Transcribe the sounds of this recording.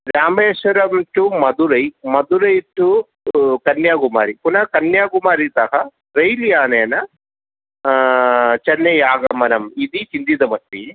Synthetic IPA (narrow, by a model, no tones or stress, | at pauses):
ɾaːmbeːʃɐɾɐmʈumɐd̪uɾɐjmɐd̪uɾɐjʈu | kɐnjaːɡuma̰ːɾipunɐkɐnjaːɡumaːɾit̪ɐɦɐ | ɾɐjlijaːneːnɐ | t͡ʃɐnːejaːɡɐmɐnɐmid̪it͡ʃind̪id̪ɐmɐt̪ːi